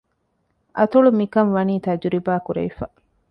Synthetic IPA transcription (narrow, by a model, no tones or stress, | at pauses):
ʔɐt̪uɭumikɐnʋɐniːt̪ɐd͡ʒuɾibaːkuɾɐ̰ʋifɐ